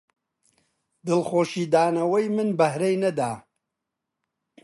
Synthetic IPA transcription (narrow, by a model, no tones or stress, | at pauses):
d̪ɨlxoːʃiːd̪aːnɐwɐjmɨnbɐhɾejnɐd̪aː